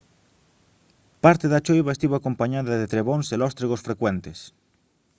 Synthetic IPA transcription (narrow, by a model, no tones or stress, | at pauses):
paɾt̪eðat͡ʃojβaest̪iβoakompaɲaðɐðet̪ɾeβonselɔst̪ɾiɣosfɾekwent̪es